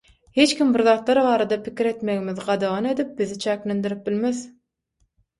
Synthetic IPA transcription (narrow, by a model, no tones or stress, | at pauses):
het͡ʃkʲimbiɾðɑːt̪lˠɑɾβɑːɾɑd̪ɑpʰikʲʰiɾe̞t̪me̞ɣimiðɢɑd̪ɑʁɑne̞d̪ip̚biðit͡ʃʰæːkle̞nd̪iɾip̚bilme̞ð